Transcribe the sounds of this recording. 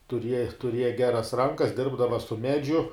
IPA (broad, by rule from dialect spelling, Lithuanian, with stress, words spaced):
tʊˈrʲiɛj tʊˈrʲiɛjɛ ˈɡʲæːrɐs ˈrɐŋkɐs ˈdʲɪrbdɐʋɐ sʊ ˈmʲæːd͡ʒʲʊ